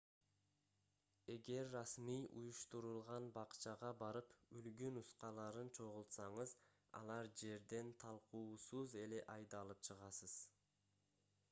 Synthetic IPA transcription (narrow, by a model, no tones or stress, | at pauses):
e̞ɡe̞ɾːasmijʔṵjuʃt̪uɾulˠʁɑnbɑqt͡ʃɑʁɑbɑɾɯpylɡynusqɑlˠɑɾɯnt͡ʃʰo̞ʁʊlˠt̪sɑɴɯz | ɑ̰lˠɑɾd͡ʒe̞ɾd̪e̞nt̪ʰɑlˠquːsuze̞le̞ʔɑjd̪ɑlˠɯpt͡ʃʰɯʁɑsɯz̥